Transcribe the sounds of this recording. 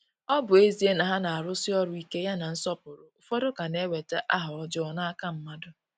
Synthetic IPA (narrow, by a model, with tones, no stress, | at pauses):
ɔ˦bʊ˨e˦zi˦e˦na˨ɦa˦na˨a˨ɾʊ˦sɪ˦ɔ˦ɾʊ˦i˦ke˦ja˦na˨n̩˦sɔ˦pʊ˨ɾʊ˨ʊ˨fɔ˦dʊ˦ka˨ne˦we˨te˦ʔa˦ɦʊ˨ɔ˦d͡ʒɔ˦ɔ˦na˦a˦ka˦m̩˦ma˦dʊ˦